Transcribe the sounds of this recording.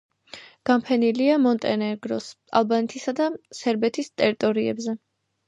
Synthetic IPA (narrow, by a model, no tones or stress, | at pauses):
ɡ̥ampʰɛniliamɔnt̪ʼɛnɛɡɾɔs | a̰lˠbanɛt̪ʰisad̪asɛɾbɛt̪ʰist̪ʼɛɾit̪ʼɔɾiɛ̰bzɛ